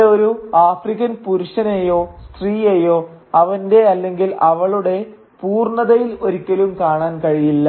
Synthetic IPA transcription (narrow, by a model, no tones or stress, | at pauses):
eoɾuaːfrikːɐnpuɾuʂɐnejo̞ːst̪riːejoː | ɐʋɐnde̞ɐlːe̞ŋɡilɐʋɐɭuɽe̞ | puːrɳɐðɐjilo̞ɾikʲːɐlumkaːɳaːnkɐɻijilːɐ